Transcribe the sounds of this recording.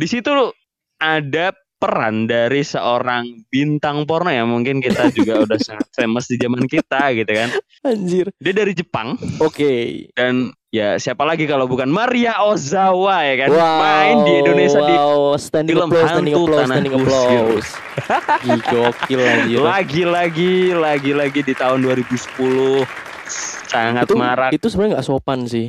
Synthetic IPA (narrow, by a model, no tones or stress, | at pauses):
disit̪u | ada | pəɾa̰ndaɾisə̰ʔoɾaŋbint̪aŋpɔrnojamuŋkɪnkit̪ad͡ʒuɡaudahsaŋat̪̚feməsdid͡ʒamankit̪aɡit̪ukan | aɲd͡ʒɪrdiadaɾid͡ʒəpa̰ŋokedan | jasiapalaɡikalawbukanmaɾiaozawajakanwamaɪndiidonesiiaist̪ɛndiləmloanɛdɪŋulonnaɛdɪŋplois | ɡid͡ʒokilaɡilaɡilaɡilaɡilaɡidit̪aɦʊnduaɾibusə̥pulʊh | saŋat̪maɾait̪usəbəɾɲaŋɡaʔsopansɪh